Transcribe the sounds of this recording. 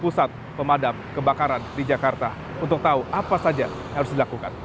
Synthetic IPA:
pusat̪̚ | pəmadamkəbakaɾandid͡ʒakart̪a | unt̪ʊk̚t̪auʔapasad͡ʒa | haɾʊsdilakuka̰n

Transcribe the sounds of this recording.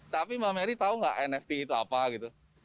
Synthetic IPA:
t̪apimameɾit̪auŋɡa̰ʔɛnɛft̪iːt̪ua̰paɡit̪u

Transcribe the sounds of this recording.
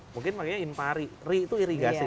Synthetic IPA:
muŋkɪnpakeɲainpaɾirit̪uiɾiŋɡasʊ

